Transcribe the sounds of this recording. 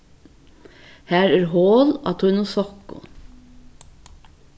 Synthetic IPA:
hæːɾæːɾhoːlɑ̰ːt̪ʰʊnʊsɔkʊ̰

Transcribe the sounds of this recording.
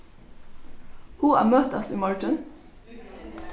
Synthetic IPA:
huːæ̰ːmøːt̪ɑsḭːmɔɹʈən

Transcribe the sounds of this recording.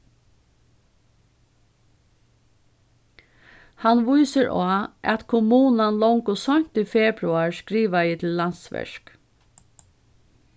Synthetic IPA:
hanʋujsəɹʔaːʔæ̰t̪kʰʊmuːnanlɔŋkʊsɔɲ̥t̪iːfɛːbɾʊaɹskɾiːʋajɪt̪ʰɪlːant̪sʋɛ̰ʂk

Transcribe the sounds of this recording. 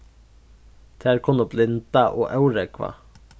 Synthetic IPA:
d̪̥ʰæːɾkʰʊnəblɪnt̪ɑʔoːʔɑʉɾəkʰʋɑ̰ː

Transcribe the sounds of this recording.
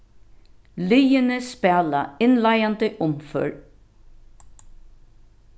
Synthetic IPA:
lijɪnɪspæːlaɪnlajant̪ɪʔʊmfœ̰ɹ

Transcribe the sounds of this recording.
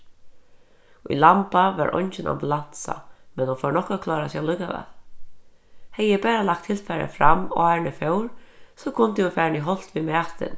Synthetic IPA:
uʊ̰jlampaʋa̰ɾʔɔ̰nt͡ʃɪnʔa̰mbulansa̰mɛnhɔnfɔwɹnɔhkakʰlɑːɾasjawlʏkavɛ̰l | hɛjɛpæːɾalak̚t̪ʰːɪlfɛɾa̰fɾamːaːnɪfœwɾsɔkʰʊnt̪ɪunfaːɾniɦɔl̥t̪ʋimɛːt̪ɪ̰n

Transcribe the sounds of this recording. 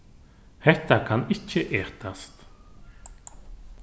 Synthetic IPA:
hɛht̪akʰanɪhcːɪʔɛːht̪ast̪

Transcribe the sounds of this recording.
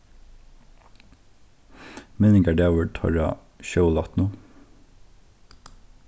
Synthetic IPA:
mɛnɪŋɡæɖæʋət̪ʰɑ̰ɹɑ̰ | ʃəʊlɑt̪nu

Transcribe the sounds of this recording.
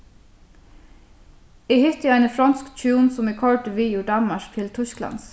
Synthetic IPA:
iːhʏt̪jɛɪnəfɾɑnskt͡ʃuːnsɔmiːkʰɔɹʈəʋiːjuːɖɑnmɑʃkt̪ʰɪlt̪ʰʉsklɑ̰ns

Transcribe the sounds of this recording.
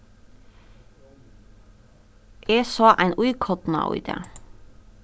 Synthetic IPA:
ʔeːsɑːʔæɪnʉʏɪkʰɔt̪n̩ɑ̰ːʔʊ̰ʏd̪ḛː

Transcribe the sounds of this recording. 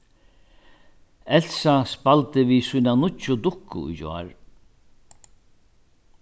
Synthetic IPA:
ɛl̥saspalt̪ɪvisujnanʊt͡ʃːʊd̪ʊhkːʊ̰ṵjd͡ʒɔ̰ːɹ

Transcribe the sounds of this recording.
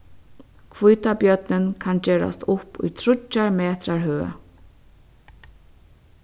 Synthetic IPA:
kʰvujt̪apjœt̪nɪnkʰant͡ɕɛːɹa̰st̪ʊpṵjt̪ʰɾʊt͡ʃːaɹmɛːt̪ɾaɹɦøː

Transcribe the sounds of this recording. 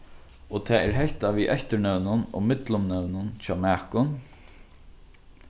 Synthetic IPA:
ɔt̪ʰɛːɛɾɦɛht̪aʋiːʔɛçt̪ənœwnʊnɔ̰mɪt̪lʊmnœwnʊnt͡ɕɔːmæːkʊn

